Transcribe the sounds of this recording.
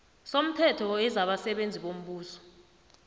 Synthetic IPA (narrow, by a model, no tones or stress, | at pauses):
som̩tʰɛtʰɔɛzaɓasɛɓend͡zʱiɓom̩ɓuːsɔ̥